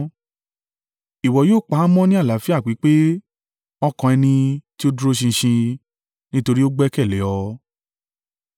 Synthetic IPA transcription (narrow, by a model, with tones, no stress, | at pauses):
i˨wɔ˨joː˦˨k͡pa˨˦mɔ̃˦nĩ˦a˦˨la˨˦fi˦a˦˨k͡pi˨˦k͡pe˦ | ɔ˧kɔ̃˨˧ɛ˧nĩ˧ti˦o˦du˦ɾo˦ʃ̬ĩ˧ʃĩ˧ | nĩ˦to˧ɾi˦o˦ɡ͡bɛ˦kɛ˦˨lɛ˨˦ɔ˧